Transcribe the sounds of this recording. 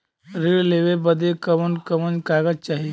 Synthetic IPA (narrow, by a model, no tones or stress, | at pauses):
ɾiɭleʋebəd̪ekəʋənkəmənkaɡəd͡ʒt͡ʃaːɦie